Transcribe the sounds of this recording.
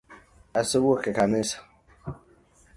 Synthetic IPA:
asɪbokekamĩsḁ

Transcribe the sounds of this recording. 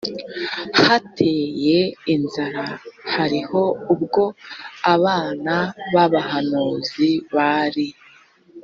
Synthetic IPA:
hatʰeːje̞inzaɾahaɾiho̞ubɡo̞aβaːnaβaβahanuːziβaɾi

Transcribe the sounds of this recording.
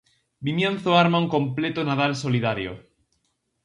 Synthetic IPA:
bimjẽnθoaɾmauŋkõ̞mplet̪onaðalso̞liðaɾjo̰

